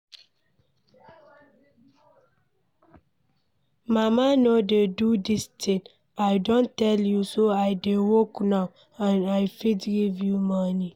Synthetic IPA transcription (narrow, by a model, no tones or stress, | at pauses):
mamanodedudistʰĩŋ | aɪdõntɛljusoaɪdewoknaw | anajfitɡivjumɔni